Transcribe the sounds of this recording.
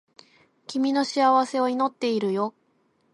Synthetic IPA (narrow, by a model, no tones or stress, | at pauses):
kʲimʲino̞ɕiaβase̞oino̞t̪ːe̞iɾɯ̟jo̞